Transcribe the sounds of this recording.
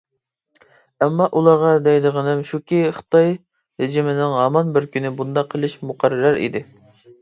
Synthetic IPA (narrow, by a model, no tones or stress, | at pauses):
ɛmːɑʔulˠɑɾʁɑd̪ɛjd̪ɨʁənɪmʃukʲiχə̥t̪ɑj | ɾɪd͡ʒimɪnɪŋɦɑmɑnbɪɾkʲynɪbund̪ɑqʰːəlˠɪʃmuqʰæɾːɨɾæɾḭd̪ɪ